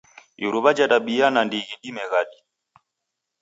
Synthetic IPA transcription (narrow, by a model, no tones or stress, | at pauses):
iɾuβad͡ʒadaɓijanandiɣiɗimɛɣaɗi